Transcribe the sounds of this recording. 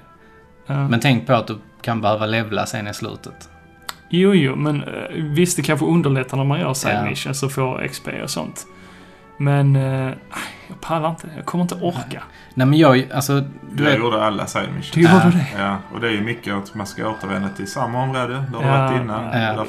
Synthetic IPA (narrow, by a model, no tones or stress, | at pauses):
mɛnt̪ʰɛŋk̚pʰɔat̪̚d̪ɵ | kʰanbɛhøːvalɛvla̰sḛːnɪslʉ̰ːt̪ʰə̥t̪ | juːjuːmɛnvɪst̪ɛkʰanɧəɵnd̪əɭɛt̪ʰːaɾnaɾmanjœ̰ːɾsa̰mɪ̰ʂənsɔfoːɾɛ̰kspʰḛːɔ̰sɔ̰nt̪ | mɛnaɪjɑɡpʰalːaɾɪnt̪əɛjɑ̰ːɡkʰɔməɾɪnt̪ɔʔɔɾka | nɛːmɛnjɑːɡalsɔd̪juːd̪əalːa̰saɪ̰nmɪ̰ʃjɾəd̪ɛjaːɔ̰d̪ɛæɾjɵmʏkːəat̪manska̰oːt̪əɾvɛ̰nd̪at̪ʰɪlsamːaɔmɾoːd̪əd̪ɛhaaɪnːanjaː